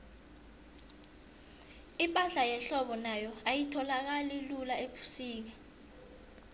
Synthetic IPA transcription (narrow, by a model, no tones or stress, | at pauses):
ipʼaɮajɛɬɔɓɔnajɔajitʰɔlak̬alilulaepʰu̥siːk̬a